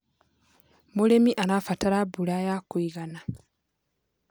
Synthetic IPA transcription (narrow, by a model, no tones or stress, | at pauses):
mulemiʔanafataɾabulajakiɣana